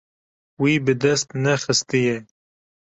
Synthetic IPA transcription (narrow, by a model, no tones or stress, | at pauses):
wibɨd̪ɛst̪nɛxɨst̪ɨjɛ